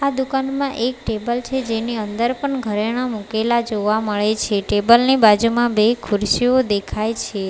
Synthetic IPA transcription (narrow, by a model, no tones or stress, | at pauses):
ad̪ukanmãʔek̚ʈebəlt͡ʃʰed͡ʒeniənd̪əɾpəɳɡʱəɾeɽ̃ãmũkelad͡ʒoʋaməɭet͡ʃʰeʈebəlnibad͡ʒumãbekʰʊɾʃiod̪ekʰajt͡ʃʰe